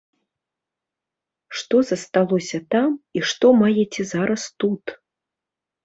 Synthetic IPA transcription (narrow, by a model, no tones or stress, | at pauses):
ʂt̪ɔzɐst̪alˠɔsʲɐt̪amiʂt̪ɔmajɛt͡sʲɛzaɾɐst̪ut̪